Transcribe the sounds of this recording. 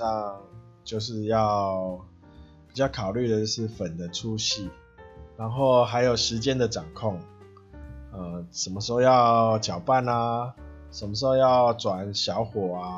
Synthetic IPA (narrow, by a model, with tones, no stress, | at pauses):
a˥˧ŋ | t͡ɕjo˥˧ʊʂɻ̩˥˧jɑ˥˨ʊ | pi˨˩t͡ɕjɑ˥˩kʰɑ˨˩ʊly˥˩d̪ə˩t͡ɕʂɻ̩˥˩fə˨˩nd̪ə˩ʈ͡ʂʰu˥˦ɕi˥˨ | ɻa˧˦nxo˥˩ʊɦa˧˥ɪjo˨˩ʊʂɻ̩˧˦t͡ɕjɛ˦˥nd̪ə˨ʈ͡ʂɑ˨˩ŋkʰɔ˥˨ŋ | ə˧˩ʂə˨˩nmə˧˩ʂɻ̩˧˦xo˥˧jɑ˥˧ʊt͡ɕjɑ˨˩ʊpa˥˨na˨ʂə˨˩nmə˧ʂ̬̩˧˦˥o˥˧jɑ˥˩ʊʈ͡ʂwa˨˩nɕjɑ˧˥ʊxwɔ˨˩a˧